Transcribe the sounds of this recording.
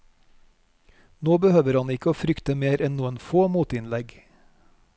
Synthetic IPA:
noːbəhøːʋəɾɑnɪkəoːfɾʏkt̪əmeːɾʔɛnnuːənfoːmuːt̪ɪnlɛɡ

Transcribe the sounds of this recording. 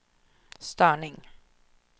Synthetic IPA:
st̪œːɳɪŋ

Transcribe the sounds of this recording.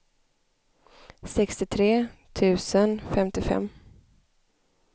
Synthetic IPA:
sɛkst̪ɪt̪ʰɾeːt̪ʰʉ̟ːsənfɛmt̪ɪfɛ̰mː

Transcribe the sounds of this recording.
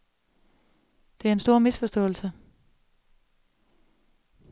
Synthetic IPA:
d̥e̝æɐe̝nsd̥o̝ɐ̰misfɒ̽sd̥ɔ̰̽ːl̩sə

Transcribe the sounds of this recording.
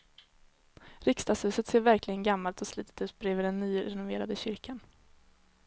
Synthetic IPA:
ɾɪkst̪ɑːɡshʉ̟ːsət̪seːɾvæɾklɪɡənɡamːalt̪ɔsliːt̪ʰə̥t̪ʉ̟ːt̪̚bɾeːvəɖɛnːyːɾɛnʊveːɾad̪əɕʏɾkʰan

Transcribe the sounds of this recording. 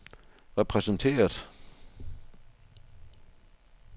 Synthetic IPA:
ʁɛpʰʁɛsən̩t͡sʰe̝̰ːɐð̥ˠ

